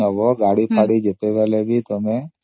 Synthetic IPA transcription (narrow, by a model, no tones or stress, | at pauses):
əʋoɡaɽipaɽid͡ʒət̪eʋɛlebʱit̪əme